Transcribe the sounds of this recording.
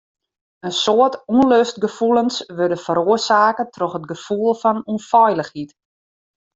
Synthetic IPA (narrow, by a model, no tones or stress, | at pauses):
ənsoətuənløst̚ɡəfulənsʋødəfəɾoərsaːkətʰroxətɡəfulˠfɔnunfɔjləxit